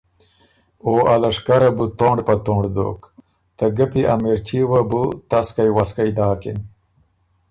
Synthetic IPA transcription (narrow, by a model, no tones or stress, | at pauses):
oːʔalɐʂkɐɾɐbut̪oːɳɖpɐt̪oːɳɖd̪o̰ːk | t̪ɐɡɐpiʔamiɾt͡ɕiwɐbut̪ɐskajwaskajd̪aːkḭn